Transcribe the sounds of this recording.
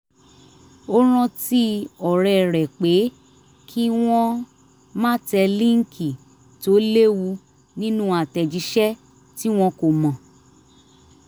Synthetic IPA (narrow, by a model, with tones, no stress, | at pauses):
o˦ɾ̃ã˧ti˦ɔ˨ɾɛ˨ɾɛ˨k͡pe˨˦ | kʰi˦w̃ɔ̃˦ | mã˦tɛ˧lĩ˦ŋ̩˦kʰi˨ | to˨˦le˦wu˧ | nĩ˦nũ˦a˨tɛ˧d͡ʒi˨˦ʃɛ˦ | ti˦w̃ɔ̃˧ko˨mɔ̃˨